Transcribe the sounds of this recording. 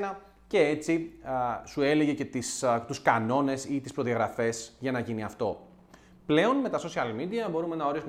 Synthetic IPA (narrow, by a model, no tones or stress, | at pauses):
nɐ | ce̞et͡si | sue̞le̞ʝe̞ce̞t̪ist̪uskɐno̞ne̞sit̪ispɾo̞ðiɐɣɾɐfe̞sʝɐnɐʝiniɐft̪o̞̰ | ple̞o̞nme̞t̪ɐso̞siɐlmid̪iɐbo̞ɾume̞nɐo̞ɾisum